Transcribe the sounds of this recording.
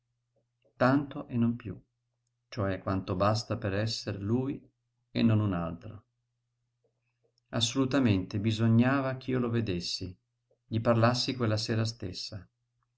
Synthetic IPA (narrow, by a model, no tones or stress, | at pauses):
t̪ant̪oʔenːompjṵ | t͡ʃoɛkːwant̪obas̬t̪apeɾɛsːeɾluːj | ḛnːonuna̰lt̪ɾo̰ | asːolut̪ament̪ebizoɲːaːvak̟ʰiːoloved̪esːi | ʎiparlasːikwelːaseːɾas̬t̪esːa